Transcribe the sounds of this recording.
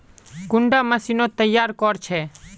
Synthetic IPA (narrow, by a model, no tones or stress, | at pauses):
kʊɳɖaːməsiːnot̪əjːaːɾkɔɾt͡ʃʰɛː